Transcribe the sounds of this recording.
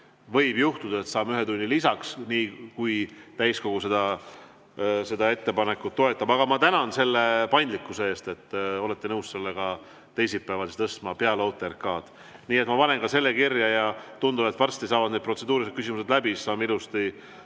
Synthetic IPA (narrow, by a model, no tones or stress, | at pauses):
vɤ̞jbjuht̪ud̪̥ɑet̪sɑːmyɦet̪unʲːilisɑksniːkujt̪æjsko̞ɡ̥use̞d̪̥ɑ | se̞d̪ɑe̞t̪ːe̞pɑne̞kːˑut̪ːo̞e̞t̪ˑːɑbɑɡ̥ɑmɑt̪ænɑnse̞lːepɑjnd̪likːˑusee̞ːst̪e̞t̪ːo̞let̪ːe̞nɤwsse̞lːeɡɑ | t̪e̞jsit̪̚peɑvɑd̪se̥t̪ɤst̪mɑpeɑlowt̪ːˑerkɑːd̪̥ | niːet̪mɑpɑne̞nkɑse̞lːe̞kirjɑjɑt̪und̪ubet̪ːˑvɑrst̪isɑːvɑd̪ned̪̥̚pro̞t̪se̞d̪uːɾiset̪̚kysimuse̞d̪læbissɑːmeilust̪i